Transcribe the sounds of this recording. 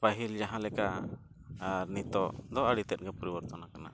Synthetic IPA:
paɦild͡ʒaɦãlɛka | aɾnit̪ɔd̪ɔaɽit̪ɛt̪̚ˀɡɛpɔɾibɔɾt̪ɔnakana̰

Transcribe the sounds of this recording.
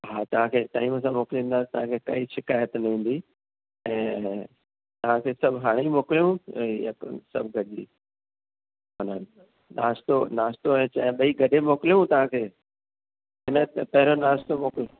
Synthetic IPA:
ɦaːt̪ɐʋ̤ãkʰeːʈaːiməsãmoːkɪlĩːn̆d̪aːt̪ɐʋ̤ãkʰeːkɐiʃɪkaːjət̪nɐĩːn̆d̪i | ɛ̃ː | t̪ɐʋ̤ãkʰeːsɐbʱɦaːɽ̃imoːkɪlijũ | sɐbʱɡɐɗḭː | ɦonən | naːst̪onaːst̪oɛ̃ːt͡ɕɐ̃ɓɐiɡɐɗemoːkɪlijũt̪ɐʋ̤ãkʰeː | ɦɪnət̪pɐɦɪɾonaːst̪omoːkɪljũ

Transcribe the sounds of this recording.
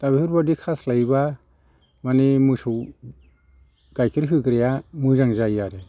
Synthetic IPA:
tabiɯɾbadikʰaslajba | manimɯsuw | ɡ̥ajkʰiɾɦɯɡɾejamɯzaŋzajaɾe

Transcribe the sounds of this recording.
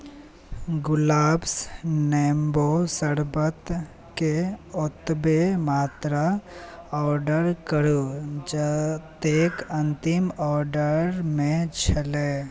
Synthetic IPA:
ɡʊlaːbsneːmbosəɽbət̪ | keʊt̪bemaːt̪ɾa | ɔːɾɖəɾkəɽod͡ʒət̪eːkɐ̃nt̪ɪmɔːɾɖəɾmẽt͡ʃʰɐleː

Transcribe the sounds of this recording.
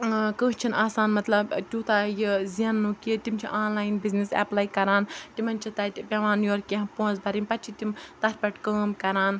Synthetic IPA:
kəːt͡ʃʰinʔaːsaːnmɐt̪lɐbtʲuːt̪aːjiziɐnːuːkit̪imt͡ʃʰḭʔaːnlaːjnbiznisɛ̰plaːjkɐɾaːntimɐnʲt͡ʃʰit̪ɐtpʲɐʋaːnjoːɾkːeɦpõːnzbɐɾimʲpɐtt͡ʃʰit̪imt̪ɐɾʲpʲɐʈkəːmkɐɾaːn

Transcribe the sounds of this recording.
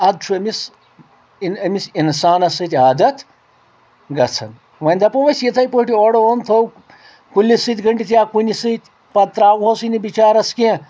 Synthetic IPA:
ɐd̪̚t͡ʃʰuɐmis | iɐmisinsaːnɐsɨt̪ʲaːd̪ɐt̪ | ɡɐt͡sʰɐ̰n | ʋɐnʲd̪ɐpɐʋɐsʲjit̪ʰɐjpoɦʈʲioɽoont̪ʰow | kulʲːisɨt̪ʲɡɐɳʈʲit̪ʲjaːkunʲisɨt̪ʲ | pɐt̪ɾaːwɦosɨnibit͡ʃaːɾɐske

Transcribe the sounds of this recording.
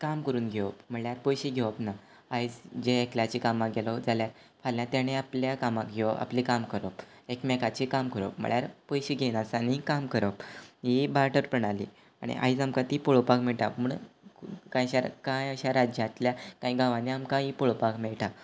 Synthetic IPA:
kamkəɾuːnɡʱeʋəpm̤əɭjaɾpojɕiɡʱeʋəpna | ajt͡sd͡ʑeːkljat͡ɕikamaɡʱelɔd͡zaljaɾ | fʰaljãt̪jañeapljakamaɡʱeʋʔa̰pliːkamkəɾəp | ekmɛkat͡ɕikamkəɾə̰pm̤ə̰ɭjaɾpojɕiɡʱenasanikamkəɾəpibaʈəɾpəɽ̃alḭ | a̰ɽ̃ḭʔa̰id͡zamkãt̪iːpɔɭopakmeɭʈamuɳ | kãjɕaɾ̰kãjəɕaɾad͡ʑjat̪ljakãjɡãʋãniamkãipoɭopakmeɭʈa

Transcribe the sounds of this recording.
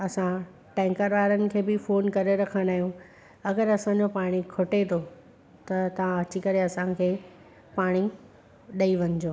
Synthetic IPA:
ɐsã | ʈɛ̃ːŋkəɾʋaːɾənɪ̆kʰeːbɪfoːnkɐɾeɾɐkʰə̃ñd̪aːɦijũ | ɐɡəɾɐsãɲd͡ʑopaːɽ̃ikʰʊʈet̪ʰo | t̪ɐt̪ɐʋ̤ãɐt͡ɕikɐɾeɐsãkʰeː | paːɽ̃i | ɗɐiʋɐɲd͡ʑoː

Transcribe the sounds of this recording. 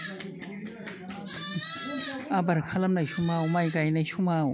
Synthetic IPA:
abɐɾkʰalɐmnajsʰumaumajkajnajʃʰumau

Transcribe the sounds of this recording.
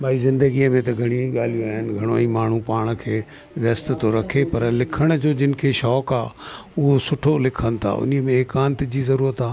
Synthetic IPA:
bʱaːizɪ̃nd̪əɡiəmẽt̪ɐɡʱɐɽ̃iĩɠaːl̤ijoaːɦɪnɡʱɐɽ̃oĩːmaːɳ̤ũpaːɽ̃ə̆kʰeː | ʋjɐst̪t̪oɾɐkʰepɐɾlɪkʰəɽ̃ʊ̆d͡ʑoːd͡ʑɪnɪ̆kʰeʃɔːkaːʊɦosʊʈʰolɪkʰəñt̪ʰa̰ʊ̰niəmẽːkaːnt̪d͡ʑiːzɐɾuːɾət̪aː

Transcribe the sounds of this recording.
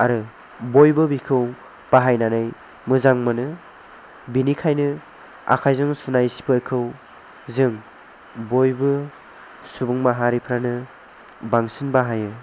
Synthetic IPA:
aɾɯ | bojbɯbikʰɯw | b̥aɦajnanɯj | mɯzaŋmɯnɯ | binikʰajnɯ | a̰kʰajzɯŋsunajsi̥pɯɾkʰɯw | zɯŋ | bojbɯ | subɯŋmaɦaɾipʰɾanɯ | baŋsɯnbaɦajɯ

